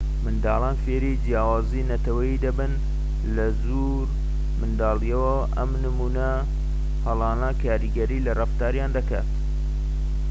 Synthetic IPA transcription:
mɨnd̪ɑːlˠɑːnfeːɾid͡ʒjaːwaːzinɐt̪ɐwɐjid̪ɐbɨn | lɐzu | ɾ | mɨnd̪ɑːlijɐwɐ | ʔɐ̰mnɨmuːnɐ | hɐlˠɑːnaːkʰaːɾiɡɐɾiːlɐrɐft̪aːɾjaːnd̪ɐka̰ːt̪

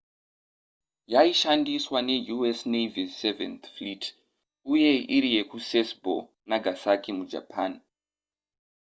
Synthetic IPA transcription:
jaiʃandiswane̞juesnevisevḛnθflit | uje̞ʔiɾije̞kusesbʱo̰ | naɡʱasakimud͡ʒa̰pʰan

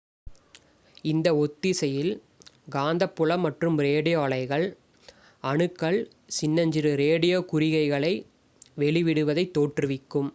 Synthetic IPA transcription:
ɪnd̪ɐɔt̪ːɪsɐjɪl | ɡaːnd̪ɐpːʊɭɐmːɐʈrɯmɾeːɽɪjoːɐɭɐɪɣɐɭ | ɐɳɯkːɐɭ | sɪnːɐɲd͡ʒɪɾɯɾeːɽɪjoːkʊɾɪɣɐɪɣɐɭɐɪ | ʋɛɭɪʋɪɽɯʋɐðɐɪt̪ːoːʈrɯʋɪkːɯm

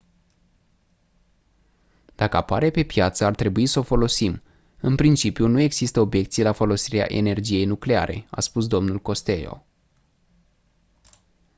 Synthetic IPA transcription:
d̪̥akəapaɾe̞pe̞pjat̪səart̪ɾe̞buisəo̞fo̞lo̞sim | ɨnpɾint͡ʃipjunue̞ɡz̥ist̪əo̞bje̞kt̪sijlafo̞lo̞siɾea̰ʔe̞ne̞rd͡ʒije̞jnukle̞a̰ɾʔe̞̰a̰spus̬d̪o̞mnulko̞st̪e̞jo̞̰

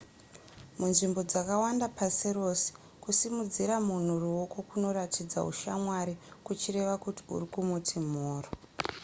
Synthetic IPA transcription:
munʐimbo̞d͡zakawandapasiro̞se̥ | kusimud͡ziɾamun̤uruwo̞kokuno̞ɾatid͡za̰ɦṵʃa̰mwaɾikut͡ʃire̞ʋakuti̥ṵrikumutʰim̤oːro

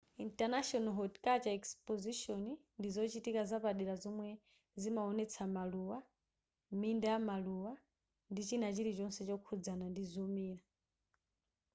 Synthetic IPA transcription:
intanaʃɔnɔɦɔtkat͡ʃaɛkspɔziʃɔni | ndizɔt͡ʃitikazapaɗiɾazɔmwɛ | zimaɔnɛt͡sʰamaluwa | mindajamaluwa | ndit͡ʃinat͡ʃiɾit͡ʃɔnsɛt͡ʃɔkʰud͡zanandizɔmiːɾa

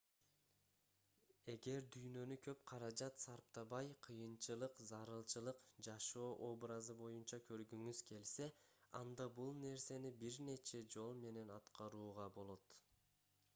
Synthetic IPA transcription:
e̞ɡe̞ɾd̪yjnø̞nykʰø̞p̚qʰɑɾɑd͡ʒɑt̪sɑɾp̚t̪ɑβɑjqʰɯjɯnt͡ʃɯlˠɯqzɑɾɯlˠt͡ʃɯlˠɯqd͡ʒɑʃo̞ːʔo̞brɑzɯbo̞junt͡ʃɑkʰø̞ɾɡyŋyzkʰe̞lse̞ɑ̰nd̪ɑbulˠne̞ɾse̞nibiɾne̞t͡ʃe̞d͡ʒo̞lˠme̞ne̞nɑt̪qɑɾuːʁɑbo̞lˠo̞t̪

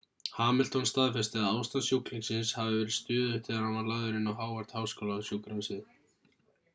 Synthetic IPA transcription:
haːmɛlt̪ɔnst̪aːðfɛst̪ɪaðaːwst̪aðsjukliŋksɪnshavɪvɛːɾɪðst̪ʏːðʏt̪ʰɪlaɾhanvaɾlaːðʏɾɪnawɦaːwaɾ̥t̪haːwskoːwlasjukɾansɪð

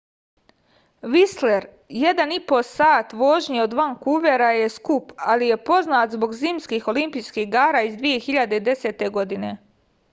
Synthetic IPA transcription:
ʋisle̞ɾ | je̞d̪anipo̞saːt̪ʋo̞ːʒɲio̞d̪ʋaŋkuʋe̞ɾaje̞skupalije̞po̞znaːt̪zbo̞ɡzimskixo̞limpijskiɦɡaːɾaːizd̪ʋije̞xiʎad̪eid̪e̞se̞ːt̪e̞ɡo̞d̪ine̞

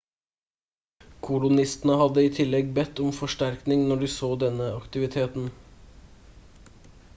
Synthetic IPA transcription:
kʰʊlʊnɪst̪n̩əhɑd̪əiːt̪ʰɪlɛɡbɛt̪ːɔmfɔʂʈæɾknɪŋnɔɖiːsoːd̪ɛnəɑkt̪ɪʋɪt̪ʰeːt̪n̩

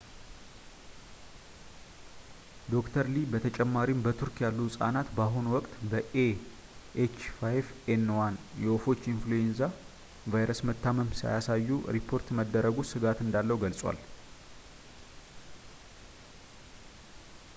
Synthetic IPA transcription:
d̪o̞kt̪ʰəɾlibət̪ʰət͡ʃʼɛmːaɾimbət̪ʰuɾkʰjalːusʼa̰nat̪baɦunwɔkʼt̪ʼbəʔe | ʔet͡ʃfajfenwanjɛwofo̞t͡ʃːinfluenza | vajɾəsmət̪ːaməmsa̰jasajːuɾipʰo̞ɾt̪məd̪ːəɾəɡusɨɡat̪ɨnd̪alːəwɡəlsʼwa̰l

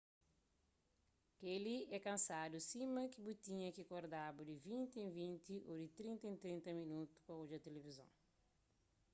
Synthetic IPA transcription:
keliɛkɐ̃nsad̪usimɐkibut̪ĩɲɐkikoɾd̪abud̪ivĩnt̪iĩvĩnt̪iʔod̪it̪ɾĩnt̪ĩnt̪ɾĩnt̪ɐminut̪u̥spɐud͡ʒɐt̪elevizɐ̰̃w̃

